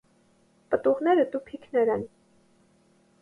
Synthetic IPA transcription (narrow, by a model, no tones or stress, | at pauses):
pət̪uʁnɛɾəd̪upʰikʰnɛɾɛn